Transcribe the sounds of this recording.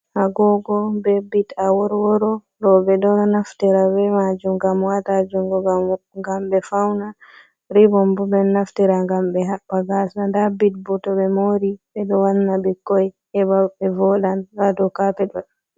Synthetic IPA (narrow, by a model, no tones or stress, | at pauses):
haɡɔɡɔbɛbitawɔɾwɔɾɔ | ɾɔbɛɗɔnɔnaftɛɾawɛmad͡ʒumɡamwatad͡ʒuŋɡɔɡaŋɡambɛfawna | ɾibɔmbubɛnnaftiɾaŋɡambɛɦaɓːaɡasandabit̚butɔbɛmoɾibɛɗɔwanːabɛkɔj | ɛbaɛvɔɗanɾadɔkapɛɗɔ